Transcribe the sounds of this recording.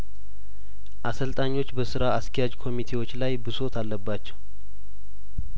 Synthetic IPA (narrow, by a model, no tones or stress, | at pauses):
ʔasəlt̪ʼaɲːo̞t͡ʃːbəsɨɾaaskʰɛjad͡ʒkʰo̞mit̪ʰe̞wo̞t͡ʃːlajbɨso̞t̪ʰalːəbːat͡ʃːɛw